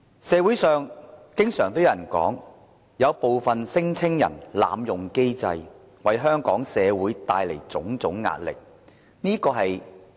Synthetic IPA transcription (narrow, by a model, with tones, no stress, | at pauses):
sɛː˨˧wu˨˥jsœː˨ŋkɪ˥ŋsœː˨˩ŋt̪o˥wjɐ˨˧˨jnkɔ̰ː˨˥ŋ | jɐ˨˧wpo˨wfɐ˨nsɪ˥ŋt͡sʰɪ˥ŋjɐ̰˨˩nla̰ː˨˧mjʊ˨ŋke˥jt͡sɐ̰˧j | wɐ˨jɦœː˥ŋkɔː˨˥ŋsɛː˨˧wuː˨˥jt̪aː˧jle˨˩jt͡sʊ˨˥ŋt͡sʊ˨˥ŋːa̰ː˧t̚lɪ̰˨k̚ | niː˥kɔː˧ɦɐ˨j